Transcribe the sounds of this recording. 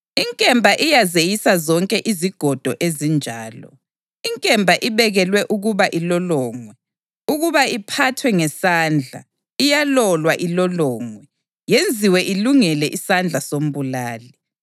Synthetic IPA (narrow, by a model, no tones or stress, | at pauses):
iŋkʼɛmbʱaʔijazejisazɔŋkʼɛʔiziɡ̥ʱɔd̥ʱɔ̰ʔezind͡ʒʱaːlɔ̰ | iŋkʼɛmbʱaʔiβɛɣɛlwɛʔuɣuβaʔilɔlɔːŋwɛ | uɣuβaipʰatʰwɛŋɛsaːnd͡ɮʱa̰ | ijalɔlwaʔilɔlɔːŋwɛ | jend͡zʱiwɛʔiluŋɛlɛʔisand͡ɮʱasom̩βulaːli